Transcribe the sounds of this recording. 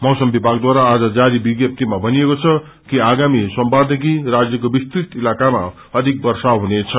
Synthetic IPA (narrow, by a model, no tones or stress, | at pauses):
mʌɦsʌmbibʱaɡd̪waɾaːd͡zʌd͡zaɾibiɡjʌp̚t̪imabʱʌnijekot͡sʰʌ | kiaɡamisʌmbad̪ʱek̬irad͡zjʌkobist̪rit̪ilakama̰ | ʌd̪ʱik̚bʌrsaɦunet͡sʰʌ